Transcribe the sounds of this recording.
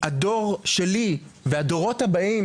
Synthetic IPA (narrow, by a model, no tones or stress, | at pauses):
hado̞ʁʃeliveado̞ʁo̞thabaim